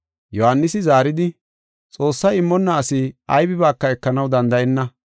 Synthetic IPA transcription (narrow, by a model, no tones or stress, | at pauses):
jɔhanːɪsɪzaːɾɪd̪ɪ | t͡sʼo̞ːsːɐjɪmːɔnːɐːsɪɐjbɪbaːkːɐɛkːɐnɐwd̪ɐnd̪ɐʔɛnːɐ